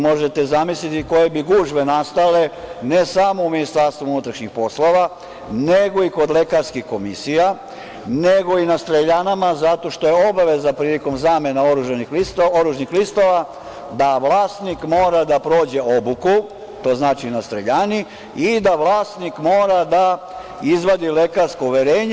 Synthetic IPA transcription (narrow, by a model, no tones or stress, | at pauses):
mo̞ʒe̞t̪e̞zamislit̪iko̞je̞biɡuʒʋe̞nast̪ale̞ne̞samo̞uminist̪aɾst̪ʋuunut̪ɾaʃɲixpo̞slo̞ʋa | ne̞ɡo̞iko̞d̪le̞kaɾskixko̞misija | ne̞ɡo̞inast̪ɾeʎanamazat̪o̞ʃt̪o̞je̞o̞baʋe̞zapɾiːliko̞mzaːme̞nao̞ɾuʒanixlist̪oɾuʒnixlist̪oʋa | d̪aʋlaːst̪nikmo̞ːɾad̪apɾo̞ːd͡ʑe̞o̞buku | t̪o̞ːznaːt͡ʃinast̪ɾeʎaːni | id̪aʋlˠaːst̪nikmo̞ːɾad̪a | izʋad̪ile̞kaɾskouʋe̞ɾe̞ːɲ